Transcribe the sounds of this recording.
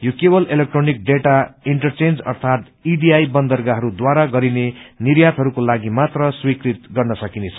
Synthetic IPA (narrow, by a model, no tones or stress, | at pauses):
jokebʌlelek̚ʈronik̚ɖeʈaiɳʈʌrt͡send͡zʌ̰rt̪ʰat̪ | iɖiajbʌnd̪ʌrɡaɦʌɾud̪waɾaɡʌɾineniɾjat̪ɦʌɾukolaɡimat̪rʌswikɾit̪ɡʌrnʌsʌkinet͡sʰʌ